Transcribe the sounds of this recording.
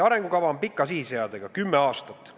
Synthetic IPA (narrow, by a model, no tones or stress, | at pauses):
ɑɾe̞ŋɡ̥ukɑvɑompikˑːɑsihiseɑd̪eɡ̥ɑkymːeɑːst̪ɑt̪ːˑ